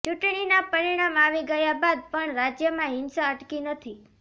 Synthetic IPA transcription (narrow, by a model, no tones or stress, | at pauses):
t͡ʃuʈɳinapəɾiɽ̃amaʋiɡəjabad̪̚pəɳɾad͡ʒjəmãɦɪnsaəʈkinət̪ʰi